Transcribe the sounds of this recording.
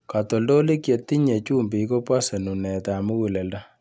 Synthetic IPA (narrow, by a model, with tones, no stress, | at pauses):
ka˨to˨ldo˦li˦kje˨tːi˦ɲe˨t͡ʃu˦mbi˨˦ko˦pa˦sɛ˨nu˨nɛ˨ta˨mu˦wu˨lɛ˨lda˦